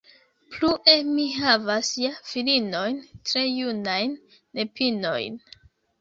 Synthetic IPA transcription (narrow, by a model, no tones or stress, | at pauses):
pluʔe̞miɦavasjafilino̞jntɾe̞junajnː | e̞pino̞̰jn